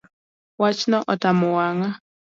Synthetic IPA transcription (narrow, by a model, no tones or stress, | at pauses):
wat͡ʃnɔʔɔtamɔwaŋa